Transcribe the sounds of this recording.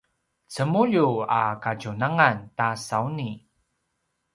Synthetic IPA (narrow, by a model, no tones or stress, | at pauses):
t͡səmuʎuakaɟunaŋantasauni